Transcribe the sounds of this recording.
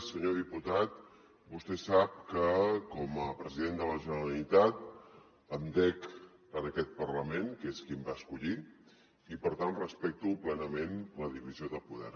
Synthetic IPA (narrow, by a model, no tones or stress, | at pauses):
səɲoðiput̪at̪ | bust̪ɛsap̚kəkɔməpɾəziðend̪ələʒənəɾəlit̪at̪ | əmd̪ɛk | ənəkɛt̪̚pərləmenkeskimbaəskuʎi | ipəɾt̪anrəspɛk̚t̪uplɛnəmenləðiβizioðəpuðɛ̰ɾ